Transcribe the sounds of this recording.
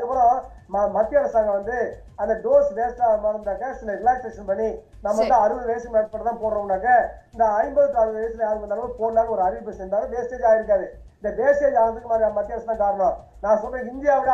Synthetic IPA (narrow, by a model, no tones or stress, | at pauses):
ɣɐpɪɾõ | mɐmɐt̪ːɪɐɾɐsaːŋɡɐʋɐnd̪ɯ | ɐnd̪ɐɖoːsbeːsʈamɐɽɐnd̪aːkːɐsɪlːɐɾɪlaːsʈːeːkʂɐnpɐɳːi | naːmɐʋɐnd̪ɯɐɾɯʋɐðɯʋeːsɪjɐmɐːʈpɐɽɐt̪ːãːpoːɽɾɐ̃ʊɳːaːk̬ːɐɪnd̪ɐɐɪmbɐðɯk̬ːɐɾɐðɯʋeːsɪlɐjaːɾɯkːɐnd̪aːnɐɯpoːnd̪aːlɐɔɾɯɐɾɪʋɪpːesɛnd̪aːlɯ̃d̪eːseːd͡ʒaːjɪɾɯkːaːðɯ | ɪnd̪ɐd̪eːseːd͡ʒaːnɐt̪ɯkːɯmaːɾiamɐmɐt̪ːɪɐɾɐsɐt̪ːãːkaːɾɐɳõː | nãːsɔlːɾɐ̃ɪnd̪ɪjaːʋɪɽ